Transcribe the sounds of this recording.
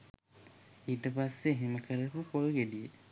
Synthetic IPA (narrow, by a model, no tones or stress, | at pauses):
iːʈəpasːeːɦeməkʰəɾəpukoɾuɡedije